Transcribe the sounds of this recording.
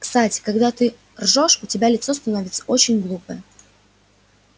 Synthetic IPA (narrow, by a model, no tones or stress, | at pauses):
kst̪atʲɪ̥kɐɡd̪at̪ɨ | rʐoʂʊtʲɪbʲalʲɪt̪so̞st̪ɐnovʲɪt̪sə̥o̞t͡ɕɪnʲɡlˠupəjə